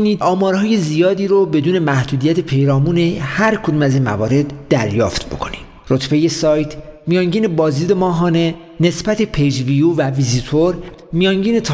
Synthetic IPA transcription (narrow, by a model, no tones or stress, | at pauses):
niːɒːmɒːɾhɒːje̞zijɒːd̪iːɾobe̞d̪uːne̞mæhd̪uːd̪ijæt̪ʰepʰejɾɒːmuːnehæɾkʰod̪uːmæziːnmæ̰vɒ̰ːɾe̞d̪ːæɾjɒːft̪bo̞̰kʰoni̥ | rot̪ʰbe̞je̞sɒːjt̪ʰmijɒːŋɟiːne̞bɒːziːd̪emɒːɦɒːne̞ | nesbæt̪ʰe̞pʰejd͡ʒviuvævizit̪ʰoɾ | mijɒːŋɟiːne̞t̪ʰ